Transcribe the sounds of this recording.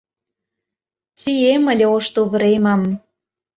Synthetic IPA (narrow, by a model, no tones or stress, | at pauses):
t͡siemə̆lʲeoʃt̪ouβəɾemɑm